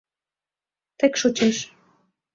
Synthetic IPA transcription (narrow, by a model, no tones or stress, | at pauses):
t̪ekʃot͡ɕeʃ